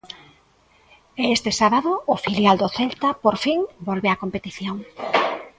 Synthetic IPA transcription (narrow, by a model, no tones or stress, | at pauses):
eest̪ɪsaβaðʊːfiljald̪oθɛlt̪apoɾfiŋbolβeakompet̪iθjoŋ